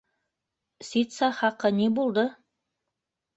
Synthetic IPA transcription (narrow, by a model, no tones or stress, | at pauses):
sʲit̪sɑχɑqɤnibulˠd̪ɤ